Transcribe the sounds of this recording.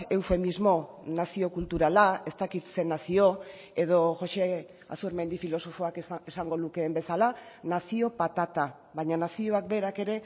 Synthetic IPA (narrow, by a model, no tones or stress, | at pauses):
e̞wfe̞mizmo̞ | nasio̞kult̪uɾalae̞st̪akit̪se̞nasio̞ | e̞ðo̞ʝo̞ʃe̞ | a̰suɾme̞nd̪ifilo̞so̞fo̞akesaŋɡo̞luke̞ːmbe̞salanasio̞pat̪at̪a | βaɲanasio̞akbe̞ɾake̞ɾe̞